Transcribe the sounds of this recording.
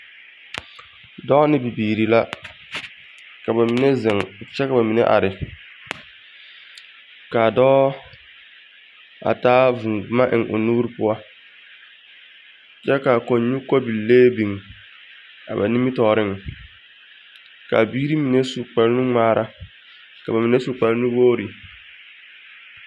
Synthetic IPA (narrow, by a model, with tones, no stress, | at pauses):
dɔ˦nɪ˦bi˨biː˨ɾi˨la˦ | ka˨ba˨mi˨ne˦zɪ˨ŋt͡ʃɛ˦ka˨ba˨mi˨nḛ˦ʔa̰˨ɾɪ˨ | ka˨dɔː˦ | a̰˨taː˦vʊ˨ŋ˨˦ma˦ʔɪ˨ŋʔʊ̰˨nuː˦ɾi˦pʊ˦a˦ | t͡ʃɛ˦ka˨ko˨ɲɲu˦kɔ˦bi˨lːeː˦bi˨ŋ˨ | a̰˨ba̰˨ni˦mi˦tɔː˨ɾɪ˦ŋ˨ | ka̰˨biː˦ɾi˦mi˨ne˦su˨k͡pa˨ɾnu˦ŋ͡maː˦ɾʔa˦ | ka˨ba˨mi˨ne˦su˨k͡pa˨ɾnu˦woː˦ɾi˨